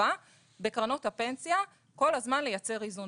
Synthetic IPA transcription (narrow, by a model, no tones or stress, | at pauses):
a | be̞kʁano̞thape̞nsija | ko̞lhazmanlejat͡se̞ʁizun